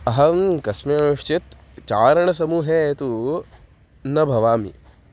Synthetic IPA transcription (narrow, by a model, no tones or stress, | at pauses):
ɐɦɐmkɐsmeːɐmuʃt͡ʃit̪ | t͡ʃaːɾɐɳ̃ɐsɐmuːɦeːt̪u | nɐbʱɐʋaːmḭ